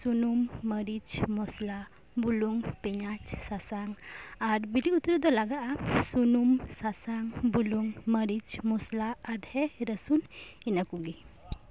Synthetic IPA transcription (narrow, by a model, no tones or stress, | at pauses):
sunumːəɾid͡ʒmɔsla | buluŋpɛɲat͡ʃsasaŋaɾbiliut̪ɾud̪ɔlaɡaʔasunumsasaŋbuluŋməɾid͡ʒmɔslaːd̪hɛɾəsuninəkuɡi